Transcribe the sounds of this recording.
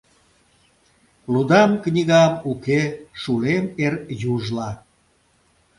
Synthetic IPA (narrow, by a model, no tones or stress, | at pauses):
lud̪ɑmknʲiɣɑmukeʃulemerjuʒlɑ